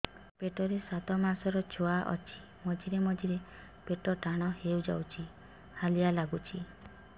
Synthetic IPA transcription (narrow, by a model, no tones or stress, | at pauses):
peʈɔɾesat̪ɔmasɔɾɔt͡ʃʰoaʔɔ̰t͡ʃʰi̥ | mɔd͡ʒʱiɾemɔd͡ʒʱiɾe | peʈɔʈaɽ̃ɔɦewd͡ʒawt͡ʃʰi | halialaɡut͡ʃʰi